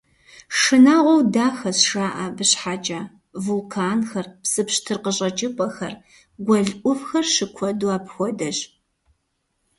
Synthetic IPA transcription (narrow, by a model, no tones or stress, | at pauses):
ʂɨnaːʁʷɔwdaːxɐsʂaːʔɐbɨɕħaːt͡ʃʼaː | vulkʰaːnxɐrpsɨpɕtʰɨrqəɕʼɐt͡ʃʼɪpʼɐxɐ̰r | ɡʷɔɮʔʷʊfxɐrʃɨkʷʰɔdwaːpxʷɔdɐɕ